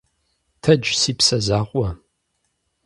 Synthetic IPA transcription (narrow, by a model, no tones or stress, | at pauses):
tʰɐd͡ʒsiːpʰsɐzaːqʷʼɐ